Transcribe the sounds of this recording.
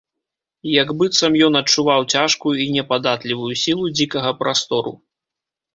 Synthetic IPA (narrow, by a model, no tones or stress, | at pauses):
jaɡbɨt̪sɐmjɔnɐt͡ʂːuvawt͡sʲaʂkujuinʲɛpad̪at̪lʲivujusʲilˠud͡zʲikɐɣɐpɾast̪ɔɾṵ